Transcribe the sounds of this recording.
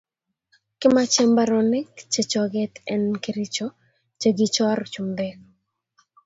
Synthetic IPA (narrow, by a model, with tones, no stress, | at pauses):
kɪ˦ma˦t͡ʃɛ˦mba˦ɾɔnɛ˦kt͡ʃe˨t͡ʃɔ˨ɡɛ˦t̪ɛ˦nkiɾi˦t͡ʃɔ˦ | t͡ʃe˨ɡɪt͡ʃɔ˦ɾt͡ʃu˨md̪ɛk